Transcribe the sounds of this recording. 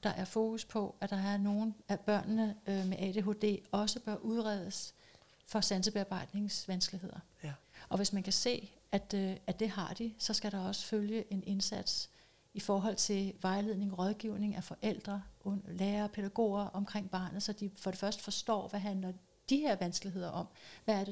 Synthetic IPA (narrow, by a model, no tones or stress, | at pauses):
d̥ɑ̈ʔæɐfo̝ːkʰuspʰɒ̽ʔæd̥ɑ̈æɐno̝ːn̩æb̥ɶɐ̰nnəømeʔɛ̰d̥e̝ːɦo̝ːd̥e̝̰ːɒ̽səb̥ɶɐʔuð̞ˠʁɛð̞ˠəs | fɒ̽sænsəb̥e̝ɑ̈ːb̥ɑ̈ɪ̰d̥ne̝ŋsʋænsɡ̥əliɦe̝ð̞̰ˠɐ | ʔɒ̽ʋe̝smænkʰæse̝̰ː | æd̥æd̥e̝ɦɑ̈d̥isɒ̽sɡ̥æɾ̥ɑ̈ɒ̽sə̥føljəʔe̝ne̝nsæd̥s | ifɒːɦɒ̽l̰t͡sʰe̝lʋɑ̈ɪle̝ð̞̰ˠne̝ŋʁɒ̽ðˠɡ̥iʊne̝ŋʔæfɒ̽ʔel̰d̥ʁɐoleːɐpʰeɾ̥æɡ̥o̝̰ːɐʔɒ̽mkʰʁeŋ̰b̥ɑ̈ːnð̩ˠsɒ̽d̥ifɒ̽ɾ̥e̝fɶɐsd̥ə̥fɒ̽sd̥ɒ̰ːʋæɦænlɐ | d̥ihe̝ɐ̰ʋænsɡ̥əlie̝ð̞̰ˠɐʔɒ̽m̰ʋææɐd̥e